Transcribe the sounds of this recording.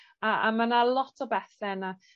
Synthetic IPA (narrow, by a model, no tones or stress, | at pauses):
aa̰manalˠɔtʰɔbɛθɛna